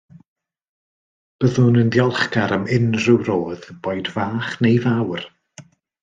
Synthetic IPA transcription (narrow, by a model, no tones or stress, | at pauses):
b̥əðʊnəndjɔlˠχkaɾəmɪnrɨwɾoːð̥b̥ojdvaːχnejvawr